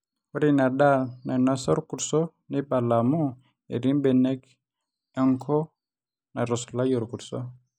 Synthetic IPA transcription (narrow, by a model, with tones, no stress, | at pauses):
ko˦ɾi˦na˨da˦˨lna˨nwa˦sɔ˦ɾku˨ɾsɔ˦ | ne˦ba˨la˨mu˦ | ḛ˨ɾi˦mbɛ˨nɛ˦k | ɛ˦ŋkʰɔ˦ | na˨ɾɔ˨sla˦jo˨ɾku˨ɾsɔ˦